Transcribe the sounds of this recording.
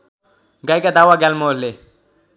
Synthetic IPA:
ɡajkad̪awaɡɛlmole

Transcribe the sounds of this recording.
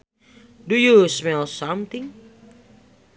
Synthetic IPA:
dujusmɛlˠsʌ̃mt̪ĩŋ

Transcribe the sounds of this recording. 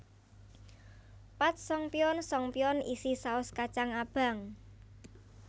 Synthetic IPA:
pat̪̚sɔŋpiɔnsɔŋpiɔnisisaʊskat͡ʃaŋab̥a̤ŋ

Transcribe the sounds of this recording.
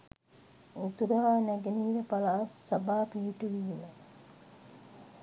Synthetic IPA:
ut̪uɾəɦaːnæɡeniːʋəpalaːsabaːpiɦiʈuʋiːmə

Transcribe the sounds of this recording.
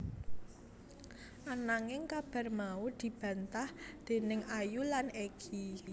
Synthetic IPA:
ʔanaŋɪŋkab̥a̤rmaud̪̥i̤b̥ä̤nt̪ahd̪̥e̤nɪŋajulaneɡ̥ʰi

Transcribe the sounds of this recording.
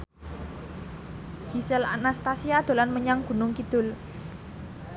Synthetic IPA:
d͡ʒ̥isɛlanast̪asiad̪̥o̤lanməɲaŋɡ̥ṳnʊŋkid̪̥ʊ̤l

